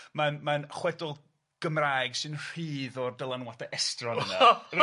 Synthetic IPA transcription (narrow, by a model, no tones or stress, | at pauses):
manmanχwɛdɔlˠ | ɡ̥əmraːjɡsɨnr̥iːðɔrdəlˠanwataʔɛstrɔnna